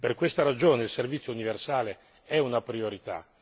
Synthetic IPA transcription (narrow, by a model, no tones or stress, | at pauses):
perkwest̪aɾad͡ʒoːneilservit̪sːjouniversaːle | ɛunapɾioɾit̪a̰